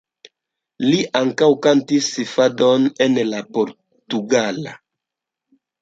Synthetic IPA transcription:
liʔaŋkawkantisifadonenlapoɾ | tuɡala

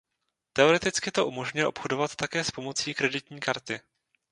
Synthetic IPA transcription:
t̪ɛo̞ɾɛt̪ɪt͡skɪt̪o̞ʔumo̞ʒɲʊjɛʔo̞pxo̞do̞vat̪ːakɛːspo̞mo̞t͡siːkɾɛdɪt̪ɲiːkaɾt̪ɪ

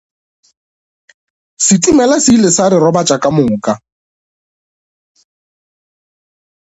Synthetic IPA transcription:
sɪtʼumɛlasilɪsaɾɪɾɔbat͡ʃʼakʼamʊːkʼa

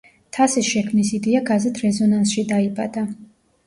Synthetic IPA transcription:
t̪ʰasisʃɛkʰmnisid̪ɛaɡazɛt̪ʰɾɛzɔnansʃid̪aiba̰d̪̥a

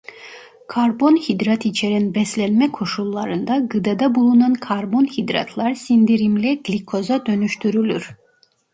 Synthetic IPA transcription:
kʰaɾbo̞nhid̪ɾat̪it͡ʃʰeɾinbɛslʲɛnmɛkʰo̞ʃulˠːaɾɯnd̪aɡɯd̪ad̪abulˠunankʰaɾbo̞nhid̪ɾa̰t̪ʰlˠaɾsind̪iɾimlʲɛɡ̥lʲikʰo̞zad̪ø̞nyʃt̪ʰyɾylʲyɾ̥

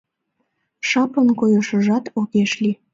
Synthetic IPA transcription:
ʃɑpənkojəʃəʒɑt̪okeʃli

